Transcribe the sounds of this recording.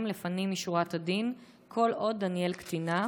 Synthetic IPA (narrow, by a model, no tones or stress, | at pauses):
mlefanimiʃuʁatadin | kʰo̞lʔo̞dːanje̞lkt̪ina